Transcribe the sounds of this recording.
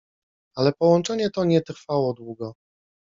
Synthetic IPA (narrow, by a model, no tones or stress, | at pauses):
alɛpɔwɔnt͡ʂɛɲɛt̪ɔɲɛt̪ɾfawɔd̪wuɡɔ